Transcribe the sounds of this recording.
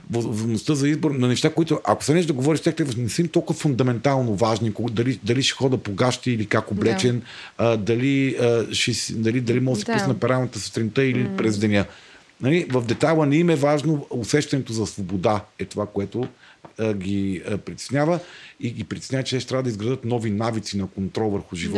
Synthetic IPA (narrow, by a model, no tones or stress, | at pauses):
vovnost̪əzɐizbʊɾnɐnɛʃt̪akoit̪ʊʔɐko̥sɐnɛʒd̪ɐɡovɔɾiʃt̪ɛkt̪ɛkvənɛsəmt̪ɔlˠkʊvɐfʊnd̪ɐmɛnt̪alˠnovaʒnikod̪ɐlid̪ɐliʃɛ̥xɔd̪əpoɡaʃt̪iːlikakoblɛt͡ʃɛnd̪ɐliəʃɛsd̪ɐlid̪ɐlimɔsipusnɐpɛɾalˠnət̪əsst̪ɾint̪əilipɾɛzd̪ɛnʲə | nɐlivɐvd̪ɛt̪alˠənɛimɛvaʒnoʊsɛʃt̪ɐnɛt̪ozɐsvobod̪aɛt̪ovakoɛt̪o | ɡʲipɾit̪ɛ̥snʲavəiɡipɾʲit̪ɛ̥snʲavət͡ʃɛt̪ɛʃt̪ɾʲavəd̪əizɡɾɐd̪ət̪nɔvinavit̪sinɐkont̪ɾɔlˠvəɾxʊʒivɔ